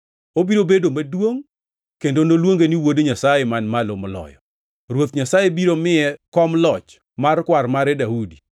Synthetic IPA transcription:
obiɾobedomadwoŋ | kendonolwoŋɡeniwodɲasajemanmalʊmlɔ̰jɔ | ɾwot̪ɲasajebiɾomɪɛkɔmlɔt͡ʃ | markwarmaɾɛdahudi

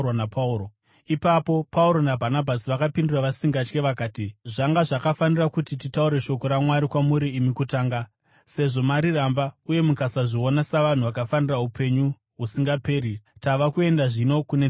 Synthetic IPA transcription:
napao | ipapo̞pauɾo̞nabʱanabʱasiʋakapinduraʋasiŋɡat͡ʃke̞ʋakaːtiʐaŋɡaʐakafanirakutititauɾe̞ʃo̞ko̞ɾamwaɾikwamuɾiːmikutaːŋɡa | se̞ʐo̞maɾirambauje̞mukasaʐio̞nasaʋan̤uʋakafaniraupʰe̞ɲu | ɦusiŋɡape̞ːɾitaʋakue̞ndaʐino̞kune

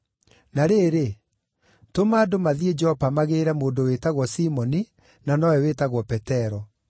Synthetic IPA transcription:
naɾeːɾe | tomaːdomaðied͡ʒɛhɔpamaɣeɾɛmoːndowetaɣwɔsimɔni | nanɔwɛwetaɣwɔpɛtɛɾɔ

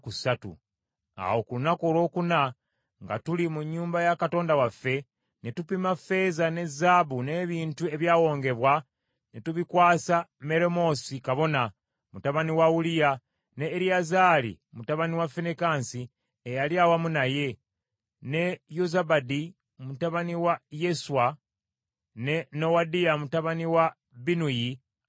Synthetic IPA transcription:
kusatṵ | a̰wo̞kulunako̞ːlo̞ːkuna | ŋɡa̰tulimuɲːuːmbajakato̞ːndawafːe̞ | nitupimafe̞zane̞zaβune̞βiːntue̞βjaːwo̞ːŋɡe̞βwa | netuβikwaːsame̞ɾemo̞ːsikaβo̞na | mutaβaniwaulija | neːɾiazaːlḭ | mutaβaniwafenekaːnsi | ejaljaːwamunaje̞ | ne̞jozabadi | omutaβaniwaje̞suwa | ne̞nowadijamutaβaniwa | binuji

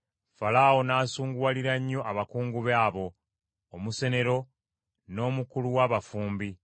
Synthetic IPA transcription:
falawo̞naːsuːŋɡuwaliɾaɲːo̞ʔaβakuːŋɡuβaːβo̞ː | muse̞ne̞ɾo̞ | no̞ːmukuluwaːβafuːmbi

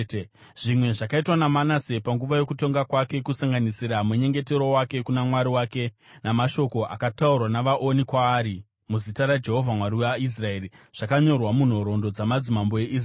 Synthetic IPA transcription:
ʐ̥imwe̞ʐakaitwanamanasepaŋɡuʋajo̞kuto̞ŋɡakwake̞kusaŋɡanisiɾameɲe̞ŋɡe̞te̞ɾo̞wake̞kunamwaɾiwaːke̞ | namaʃo̞ko̞ʔa̰kataurwanaʋaʔonikwaːɾi | muzitaɾad͡ʒe̞ɦo̞vʱamwaɾiais̬rae̞ːriʐ̥akaɲo̞rwamun̤o̞ɾo̞ndo̞d͡zamad͡zimambo̞e̞ʔiːs̬

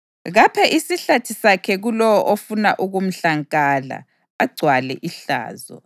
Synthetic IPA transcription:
ɣapʰɛʔisiɬatʰisakʰɛɣulɔwɔʔofunaʔuɣum̩ɬaŋkʼaːla̰ | aɡ͡ǀʱwalɛ̰ʔiɬa̰ːzɔ̰

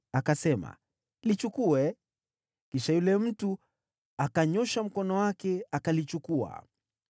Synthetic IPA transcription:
akasɛma̰ | lit͡ʃukuɛ | kiʃajulɛm̩tu | akaɲɔʃam̩kɔnɔwakɛakalit͡ʃukua̰

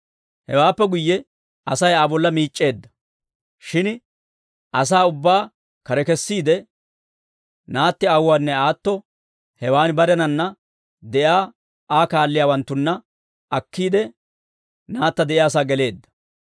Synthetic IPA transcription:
hɛ̰waːpːɛɡʊjːɛ | ɐsɐjaːbɔlːɐmiːt͡ʃʼːe̞ːd̪ːɐ̥ | ʃɪn | ʔɐs̬aːʊbːaː | kɐɾɛkɛsːiːd̪ɛ | naːt̪ːɪɐwːaːnːɛaːt̪ːɔ | hɛwaːnbɐɾɛnɐnːɐ | d̪ɛjaː | aːkaːlːɪjaːwɐnt̪ːʊnːɐ | ɐkːiːd̪ɛ | naːt̪ːɐd̪ɛʔjaːs̬aːɡɛle̞ːd̪ːɐ̥

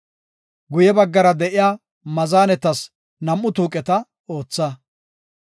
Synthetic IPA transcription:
ɡʊjɛbɐɡːɐɾɐd̪ɛʔɪjaː | mɐzaːnɛt̪ːɐs | nɐmːʊt̪uːkʼɛt̪ɐ | o̞ːt͡sːɐ

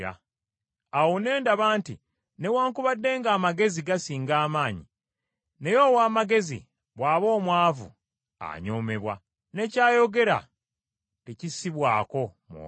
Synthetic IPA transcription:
a̰ | awone̞ːndaβaːntḭ | ne̞waːŋkuβadːe̞ːŋɡaːmaɡe̞ziɡasiːŋɡaːmaːɲḭ | ne̞jo̞waːmaɡe̞zḭ | βwaːβo̞ːmwaːvṵ | a̰ɲoːme̞βwa̰ | ne̞caːjo̞ɡe̞ɾa̰ | ecisiβwaːko̞mṵ

